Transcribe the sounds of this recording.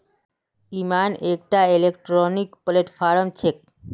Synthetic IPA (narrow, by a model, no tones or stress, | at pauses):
imanek̚ʈaelekʈɾonikpoleʈfaɾomt͡ɕʰek̚